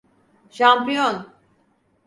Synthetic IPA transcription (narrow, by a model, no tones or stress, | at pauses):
ʃampijon